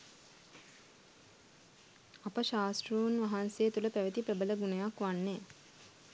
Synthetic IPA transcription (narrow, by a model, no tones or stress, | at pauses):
apəʃaːsʈruːnʋaɦansejːt̪uləpæʋet̪ipɾəbələɡunəjakʋanːe